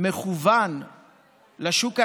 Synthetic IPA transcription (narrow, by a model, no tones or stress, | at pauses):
meχuvan | laʃuka